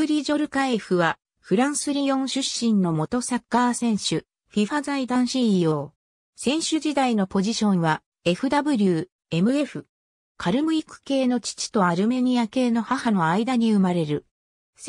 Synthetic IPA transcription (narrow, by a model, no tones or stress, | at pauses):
ɯɾʲiʑo̞ɾɯ̟kae̞ɸɯ̟βa | ɸɯ̟ɾãɰ̃sɨɾʲijõ̞ɰ̃ɕɨɕːĩnno̞mo̞t̪o̞sakːaːsẽ̞ɰ̃ɕɨ | ɸʲiɸazaid̪ãɰ̃ɕijo̞ː | sẽ̞ɰ̃ɕɨd͡ʑid̪aino̞po̞ʑiɕõ̞ɰ̃βa | e̞ɸɯ̟d̪abɯ̟ɾʲɯː | e̞mɯ̟e̞ɸɯ̟ | kʰaɾɯ̟mɯ̟ikɯ̟̥ke̞ːno̞t͡ɕi̥t͡ɕi̥t̪o̞aɾɯ̟me̞ɲ̟iake̞ːno̞hahano̞aid̪aɲ̟iɯ̟maɾe̞ɾɯ̟ | s